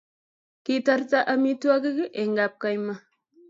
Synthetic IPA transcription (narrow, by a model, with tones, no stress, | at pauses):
ki˦ta˦ɾta˦ʔa˦mi˦tu˦a˦ɡi˦ɡi˦ʔe˨ŋɡa˨p̚ka˦jma˦